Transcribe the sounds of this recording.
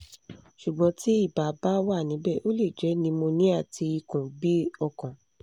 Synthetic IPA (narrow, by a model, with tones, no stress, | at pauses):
ʃu˨ɡ͡bɔ̃˨˧˦ti˦i˦˨ba˨˦ba˦wa˦˨nĩ˨˦bɛ˦˨ʔo˦le˦˨d͡ʒɛ˨˦nĩ˧mo˧nĩ˦a˦˨tʰi˧i˧kũ˨bi˦ɔ˧kɔ̃˨